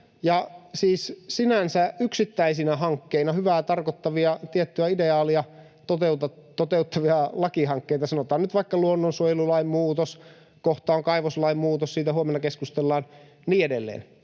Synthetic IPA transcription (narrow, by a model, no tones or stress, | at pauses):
jɑsiːssinænsæyksit̪ːæisinæɦɑŋkːeinɑhyʋæːt̪ɑrkot̪ːɑʋiɑt̪iet̪ːyæideɑːliɑ | t̪ot̪eut̪ɑt̪ot̪eut̪ʰːɑʋiɑlɑkiɦɑŋkːeit̪ɑsɑnot̪ɑːnnyt̪ʋɑikːɑluonːonsojlulɑimmuːt̪os | koht̪ɑːoŋkɑiʋoslɑimmuːt̪ossiːt̪æɦuomenːɑkeskust̪elːɑːn | niːedelːḛːn